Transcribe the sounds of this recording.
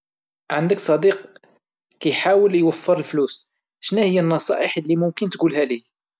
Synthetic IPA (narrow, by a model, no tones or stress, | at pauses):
ʕand̪əksˤɑd̪iq | kæjħawəljwəfːəɾəlflus | ʃnæhəjːənːɑsˤɑ̰ʔəħəlːimʊmkənt̪ɡulɦæli